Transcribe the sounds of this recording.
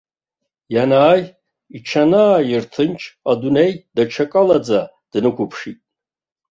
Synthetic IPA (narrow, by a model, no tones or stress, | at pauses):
janaːj | iʈ͡ʂʰanaːjirtʰɨnt͡ʃʰʼadunejdat͡ʃʰakʼalad͡za | d̥nɨkʷʰʊpʰʂitʼ